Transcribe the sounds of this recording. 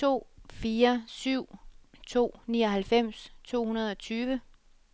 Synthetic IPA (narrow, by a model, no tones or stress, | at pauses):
t͡sʰo̝̰ːfiːɐsyʊ̰t͡sʰo̝̰ːniːɒ̽ɦælfem̰st͡sʰo̝̰ːhunɐð̞̩ˠɒ̽t͡sʰyːʋə